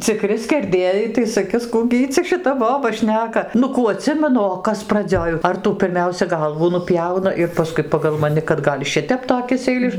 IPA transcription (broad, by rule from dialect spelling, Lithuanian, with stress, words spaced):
t͡sʲɪˈkrʲɪ sʲkʲɛrʲˈdʲeːjɛɪ tɐɪ sɐˈkʲɪs ˈkuː ɡʲɪ ˈiː t͡sʲɛ ʃʲɪˈtɐ ˈboːbɐ ˈʃʲnʲæːkɐ ˈnʊ ˈkuː ɐˈtʲsʲɪmʲɛnʊ oː ˈkɐs prɐˈd͡zʲoːj ɐr ˈtuː pʲɪrʲˈmʲɛʊsʲɛ ˈɡɐlˠʋuː nʊˈpʲjɛʊnɐ ɪr pɐˈskʊɪ pɐɡɐlˠ mɐˈnʲɪ kɐt ˈɡɐlʲ ˈʃʲɪtʲɛp toːˈkʲɪs ɛɪˈlʲɪʃ